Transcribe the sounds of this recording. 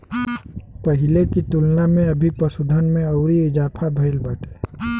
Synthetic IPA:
pəɦɪlekit̪ʊlnamẽɐbʱipəsʊd̪ʱənmẽɔːɾiɪzaːpʰabʱɐɪlbəːʈʰe̥ː

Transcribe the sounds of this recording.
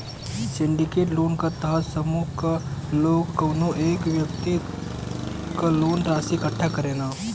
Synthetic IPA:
sɪ̃ɳɖɪkeːʈloːnkat̪ɐɦəsɐmuːkkaloːɡkɐːnoʔeːkʋjəkt̪i | kaloːnɾaːsikəʈʰːakɐɾeːnaː

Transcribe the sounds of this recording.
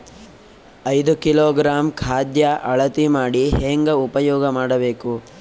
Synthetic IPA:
ɐjd̪ukilɔːɡɾaːmkʰaːd̪jɐʔɐɭɐt̪imaːɽiɦeŋɡɐupɐjɔːɡɐmaːɽɐbe̞ːku

